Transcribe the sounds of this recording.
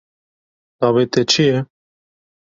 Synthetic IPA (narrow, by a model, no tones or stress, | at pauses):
d̪̥ɑːβet̪ɛt͡ʃʰijɛ